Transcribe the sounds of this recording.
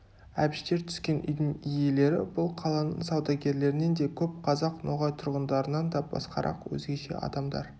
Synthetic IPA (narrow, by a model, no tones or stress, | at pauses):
æbɪʃt̪e̞ɾt̪ʰʏ̥skʲe̞nʔʏ̰jd̪ɪŋije̞le̞ɾɪ̰bʊlˠqʰɑlˠɑnə̰ɴsɑwd̪ɑɡʲe̞ɾle̞ɾɪne̞nd̪e̞kʲʰɵp̚qʰɑzɑqnoʁɑjt̪ʰʊɾʁənd̪ɑɾənɑnd̪ɑbɑ̰sqɑ̰ɾʔɑ̰qwɵ̰zɡʲe̞ʃe̞̰ʔɑ̰d̪ɑmd̪ɑ̰ɾ